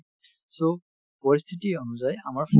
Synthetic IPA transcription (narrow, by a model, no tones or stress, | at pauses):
so | pɔɹist̪ʰitionuzaja̰maɹfʰ